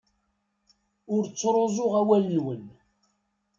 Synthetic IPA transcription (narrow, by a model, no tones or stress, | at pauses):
ʊɾt͡sːɾˤozˤoʁæwælːiwən